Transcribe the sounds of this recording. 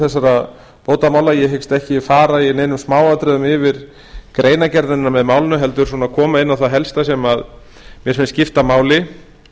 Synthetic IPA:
θɛsːaɾa | poːwt̪amaːwlajɛɦekst̪ɛhcɪfaːɾaineːjnʏmsmaːwat̪ɾɛðʏmɪvɪɾ | kɾʔeːjnacɛɾðɪnːamɛðmaːwlɪnʏɦɛlt̪ʏɾs̬ɔːnakʰɔːmaɪnːawθaɦɛlst̪asjɛmað | mjɛsmɪnscɪft̪amaːwlɪ

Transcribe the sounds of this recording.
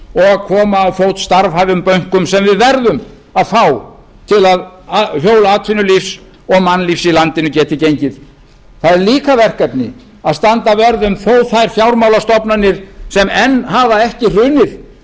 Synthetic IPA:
ɔɣaðkʰɔːmaːðθowt̪st̪aɾvhajvʏmpœɥŋ̥kʏmsɛmvɪðvɛɾðʏm | aðfaːw | t̪ʰɪlaðahjoːwlaat̪ʰfɪnːʏlifs | ɔɣmanːlifsilant̪ɪnʏcɛːt̪ɪcejɲcɪð | θaðɛɾliːkavɛr̥kɛpnɪ̰ | aðst̪ant̪avɛɾðʏmθoːwt̪θajɾ̥fjawɾmawlast̪ɔpnanːɪɾ̥sɛmɛnːɦavaɛhcɪr̥ʏːnɪð

